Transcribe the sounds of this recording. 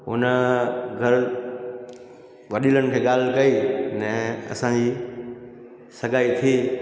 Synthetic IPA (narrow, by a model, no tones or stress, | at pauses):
ʊ̰nəɡʱɐɾ | ʋɐɗilənɪkʰeːɠaːl̤kɐinɛ̃ːɐ̰sãd͡ʑiː | sɐɠaːit̪ʰiː